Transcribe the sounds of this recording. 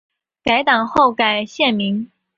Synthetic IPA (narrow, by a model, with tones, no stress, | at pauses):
ka˧˥ɪt̪ɑ˨˩ŋxo˥˩ʊka˨˩ɪɕjɛ˥˩nmi˧˥ŋ